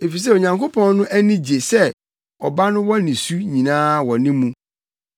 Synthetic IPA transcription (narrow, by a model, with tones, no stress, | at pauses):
e˨fi˨s̬ɛ˦˨o˨ɲã˨ŋkʰo˦pʰɔ̃˦nnʊ̃˦ʔæ˦nɪ̃˦d͡ʑe˨sɛ˦ | ɔ˨ba˦nʊ̃˦wɔ̃˦nĩ˨su˦ɲĩ˨nãː˦wɔ̃˨nɪ̃˦mũ˦